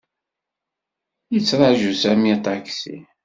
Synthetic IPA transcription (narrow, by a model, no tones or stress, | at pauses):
jət͡sːɾˤəʕʒusæmit̪ˤaksḭ